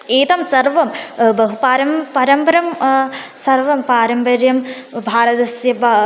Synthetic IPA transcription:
eːt̪ɐmsɐɾʋɐmbɐɦupaːɾɐmpɐɾɐmpɐɾɐmsɐɾʋɐmpaːɾɐmpɐɾjɐm | bʱaːɾɐt̪ɐsjɐʋa

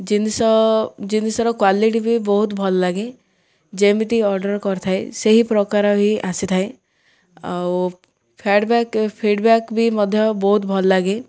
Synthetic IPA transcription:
d͡ʒinsɔd͡ʒinisɔɾɔkwaliʈ̬ibʱibɔɦut̪bʱɔllaɡe | d͡ʒemit̪iɔɾɖəɾkɔɾt̪ʰaeseɦipɾɔkaɾɔbʱiʔasit̪ʰae | aw | pʰeɖbɛkpʰiːɖbɛkbʱimɔd̪ʱjɔbɔɦut̪bʱɔllaɡe

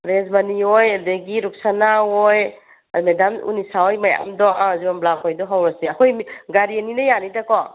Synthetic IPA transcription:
ɾezmaniojadeɡiɾuk̚sanaoj | amedamṵnisaojmaja̰mdɔazibamblakʰojdɔɦawɾɐseɐkʰojmɡaɾieninɐjanitakɔ

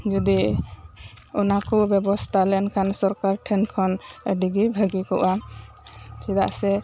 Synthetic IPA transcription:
d͡ʒɔd̪i | ɔnakɔbɛbɔst̪ʰalɛnkʰansɔɾkaɾʈʰɛnkʰɔnəɖiɡibʱəɡikɔ̰ʔa | t͡ʃʰid̪aʔsɛ

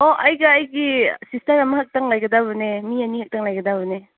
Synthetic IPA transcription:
oʔɐjɡɐːjɡisistɐɾɐmɐhak̚taŋlajɡɐdaβɐnemianihak̚taŋlajɡɐdaβɐne

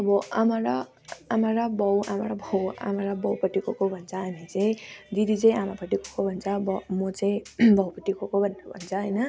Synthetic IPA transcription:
ʌbʌamaɾa | amaɾabʌwamaɾabʱʌwa̰maɾabʌwpʌʈːikokobʱʌnt͡sʰʌamit͡saj̃d̪id̪it͡saĩamapʌʈikokobʱʌnt͡sʰʌbʌmʌt͡saĩbʱʌwpʌʈːikokobʱʌnbʱʌnt͡sʰʌɦʌjnʌ

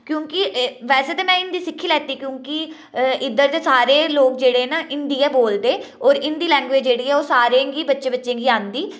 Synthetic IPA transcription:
kjõːkɪʋɛːseːt̪eːmɛ̃ːɪnd̪iːsɪkʰːiːlɛːt̪iːkjõːkɪ | ɪd̪əɾt̪eːsaːɾeːloːkd͡ʒeːɽeːɛːnaːʔɪnd̪iːɛːboːld̪eːɔːɾɪnd̪iːlɛ̃ːŋɡʋeːd͡ʒd͡ʒeːɽiːɛːoːsaːɾẽːɡiːbətːʃẽːbətːʃẽːŋɡiːãːnd̪iː

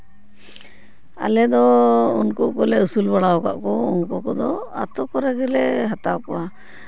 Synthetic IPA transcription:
a̰lɛd̪ɔṵnkɔkɔlɛusulbaɽaɔka̰ʔkɔɔŋkɔkɔd̪ɔa̰t̪ɔkɔɾɛɡɛlɛɦat̪awkɔwa

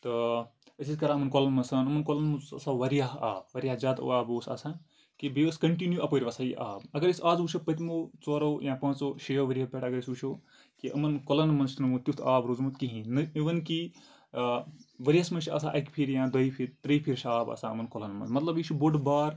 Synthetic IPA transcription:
t̪ɨ | ɐsʰʲisʲkɐɾaɐmɐnkɔlɐnmɐnsɐnɐmɐnkɔlɐnmɐusɐ̰saʋɐɾijaɦaːbʋɐɾijaɦzʲaːd̪o̰aːboːsa̰sã | kibiʋɐskɐɳʈinjuʔɐpoɾʲiʋɐsajiʔa̰ːbɐɡɐɾisaːzut͡ʃʰopɐt̪ʲimot͡soːɾoːjãpãːt͡soːʃejoʋɐɾijɐpʲeʈɐɡɐɾisut͡ʃʰo | kiʔɐ̰mɐnkɔlɐnmɐnst̪ʰnmut̪ʲut̪ʰaːbɾozmut̪kiɦĩnɨiʋɐnki | ʋɐɾʲiasmɐnt͡ʃʰʲa̰ːsʰaʔɐkpʰiɾjãːd̪ɐjpʰiɾt̪ɾɐjpʰiɾʃaːbɐ̰sãɐ̰mɐnkɔlɐnmɐ̰nsmɐt̪lɐbjit͡ʃʰuboɖbaːɾ

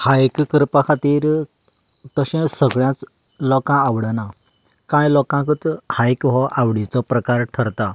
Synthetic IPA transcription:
hajkkəɾpakʰat̪iːɾ | t̪əɕɛ̃səɡɭjãt͡s | lɔkãːwɽəna | kãjlɔkãkət͡shajkɦɔʔawɽit͡sɔpɾəkaɾʈʰəɾt̪a

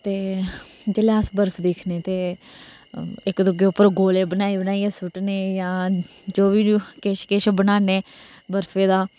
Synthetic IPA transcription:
t̪eː | d͡ʒeleəsbəɾpʰd̪eːkʰneːt̪eː | ɪkd̪ʊɡeːʊpːəɾɡoːleːbənaːiːbənaːiːeːsʊʈneːjãː | d͡ʒoːʋiːkeʃkeʃobənaːneːbəɾpʰeːd̪aː

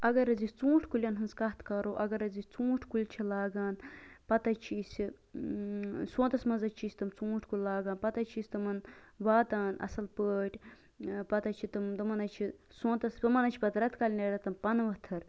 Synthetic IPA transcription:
ɐɡɐɾɐzit͡sũːʈʰkulʲɐnɦɨnzkɐt̪ʰkɐɾoːʔɐɡɐɾɐzit͡sũːʈʰkulʲt͡ʃʰilaːɡaːnpɐt̪ɐt͡ʃʰiːsʲi | sõːt̪ɐsmɐzɐt͡ʃʰiːsʲt̪ɨmt͡sũːʈʰkulʲlaːɡaːnpɐt̪ɐt͡ʃʰiːsʲt̪ɨmɐnʋaːt̪aːnɐ̰sɐlpəːʈʲ | pɐt̪ɐt͡ʃʰit̪ɨmd̪ɨmɐnɐt͡ʃʰi | sõːnt̪ɐsbɨmɐnɐt͡ʃʰi̥pɐt̪ɾɐt̪kalʲneɾɐt̪ɐmpɐnʋɐt̪ʰɐɾ

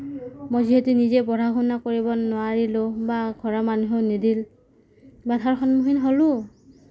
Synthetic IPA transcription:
mojziɦetunizɛbɔɾʱaɡʱunakoɹibɔnʊaɹilʊbaɡʱɔɹamanuɦenidil | batʰaɹkʰɔnmuɦinɦolʊ

